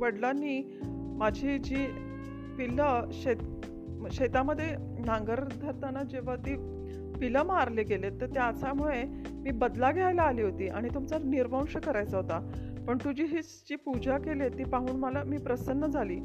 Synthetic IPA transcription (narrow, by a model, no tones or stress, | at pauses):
ʋəɽlanːiː | mad͡ʑʱiːd͡ʑiː | piləɕet̪ | ɕet̪aməd̪ʱːje | nãŋɡəɾd̪ʱəɾt̪anad͡ʑeʋ̤at̪iː | piləmaɾleɡelet̪ːəɾt̪eat͡samuɭe | miːbəd̪laɡʱajlaːliːɦot̪iːʔaɽ̃it̪umt͡saniɾbʱə̃w̃ɕəkəɾajt͡saɦot̪a | pəɳt̪ud͡ʑiːɦiːt͡sd͡ʑiːpud͡ʑakelet̪iːpaɦuːɳməlamiːpɾəsənːəd͡zʱaliː